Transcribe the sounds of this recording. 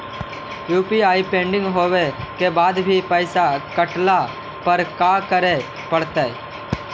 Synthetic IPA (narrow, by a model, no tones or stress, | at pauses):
juːpiaːipẽːɳɖɪ̃ŋɡɦoːʋekebaːd̪bʱipəɪsakəʈla | pəɾkaːkəɾe | pəɽt̪eː